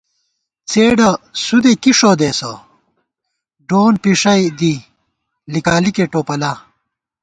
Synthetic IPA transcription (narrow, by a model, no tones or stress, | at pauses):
t͡seːɖɐsud̪ekiʂoːd̪eso̰ | ɖoːnpiʂɐjd̪i | likaːlikeʈoːpɐla